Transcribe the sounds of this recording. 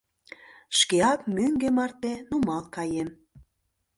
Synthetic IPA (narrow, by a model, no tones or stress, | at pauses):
ʃkeɑk̚myŋɡemɑrt̪enumɑlkɑjem